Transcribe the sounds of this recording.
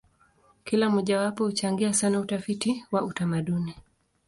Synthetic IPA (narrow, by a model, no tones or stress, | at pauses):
kilamɔʄawapɔhut͡ʃaŋɡiasanautafitiwautamaɗuni